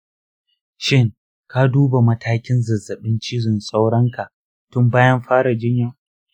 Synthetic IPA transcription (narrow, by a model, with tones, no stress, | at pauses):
ʃɪ˦ŋ | ka˦duː˦ba˨mɐ˦tʰaː˦kʲɪ˦nzɐ˨zːɐ˨ɓɪ˦nt͡ʃiː˦zɪ˨nsʼa˦wɽɐ˦ŋka˨ʔ | tʊ˦mbaː˦jɐ˦mɸaː˦ɽa˨d͡ʒɪ˦ɲja˨